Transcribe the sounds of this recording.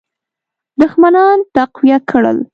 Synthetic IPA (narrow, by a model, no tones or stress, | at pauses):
d̪ʊxmanɑnt̪aqwijakʰɽə̰l